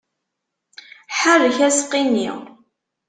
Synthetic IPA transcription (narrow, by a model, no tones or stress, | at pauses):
ħərəçæsqːinːḭʁ